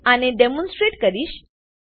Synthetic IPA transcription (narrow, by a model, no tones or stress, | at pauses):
añiɖemõnsʈɾeʈkəɾiːɕ